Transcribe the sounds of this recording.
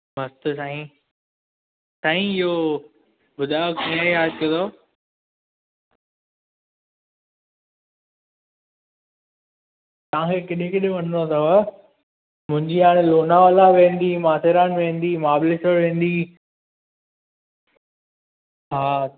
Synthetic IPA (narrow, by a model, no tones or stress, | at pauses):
mɐst̪saːɦĩ | saːɦĩɪɦo | bʊd̪ʱaːəkĩːãeɦaːd͡ʒkɐ̃d̪o | t̪ɐʋ̤ãkʰekɪɗẽkɪɗẽʋɐn̤not̪ʰɐʋə | mʊ̃ɦɪ̃ɲd͡ʑiaːɽ̃loːnaʋalaʋẽːn̆d̪imaːseɾaːnʋẽːn̆d̪imaːblɪsəɽʋẽːn̆d̪i | ɦaː